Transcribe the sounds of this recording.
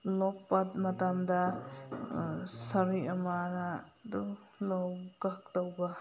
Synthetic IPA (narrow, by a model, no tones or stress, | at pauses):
lɔpːat̚mɐtamdɐ | sɐɾiɐmanadu | lowɡak̚tɔwbɐ